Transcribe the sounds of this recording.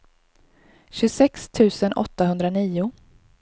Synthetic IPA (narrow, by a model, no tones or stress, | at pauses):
ɕɵsɛkst̪ʰʉ̟ːsənʔɔ̰t̪ːaɦɵnd̪ɾaniːʊ